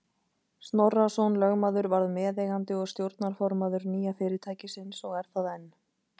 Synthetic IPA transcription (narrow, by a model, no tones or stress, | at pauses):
st̪nɔrːasɔnlœɣmaðʏɾvaɾðmɛːðejɣant̪ɪɔɣst̪jowɾt̪naɾ̥fɔɾmaðʏɾniːjafɪːɾɪɾt̪ʰaːjcɪsɪnsɔɣɛɾ̥θaðɛnː